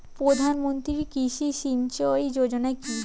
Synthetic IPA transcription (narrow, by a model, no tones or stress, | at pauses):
pɾod̪ʱanmont̪ɾikiʃiʃint͡ɕoed͡ʑod͡ʑonaeki